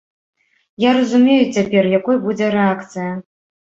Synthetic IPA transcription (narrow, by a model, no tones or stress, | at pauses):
jaɾɐzumʲejut͡sʲapʲɛrjakɔjbud͡zʲɛɾɛakt̪sɨjɐ